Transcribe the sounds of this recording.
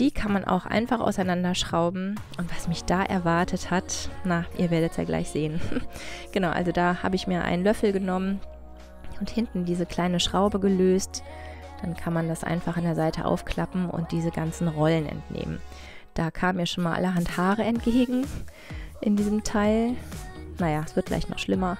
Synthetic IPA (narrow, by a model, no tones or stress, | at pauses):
d̥iːkʰanmanʔa̰ʊxʔa̰ɪnfaχa̰ʊsaɪnandɐʃʁ̥aʊbm̩ʔʊntv̥asmɪçd̥aːʔɛ̰ɐvaɐtʰəthatnaʔḭːɐveːɐɾətsja̰ːɡla̰ɪçz̥eːən | ɡ̥ənaʊʔa̰lzodaːhaːbəɪçmiːɐʔa̰ɪnlœfl̩ɡənɔmən | ʔʊnthɪntn̩diːzəkʰl̥aɪnəʃʁ̥aʊbəɡəløːst | d̥ankʰanmandasʔa̰ɪnfaχandeːɐzaɪtʰə̰ʔa̰ʊfkʰl̥apm̩ʔʊ̰nt̚d̥iːzəɡant͡sn̩ʁɔlənɛ̰ntnʔḛːmə̰n | d̥aːkʰaːməmiːɐʃoːnmaːlʔa̰ləɦanthaːʁəɛnt̚ɡ̥eːɡŋ̩ | ʔɪndiːzəmtʰaɪl | najaːsv̥ɪɐt̚ɡ̥la̰ɪçtnɔ̰χʃlɪmɐ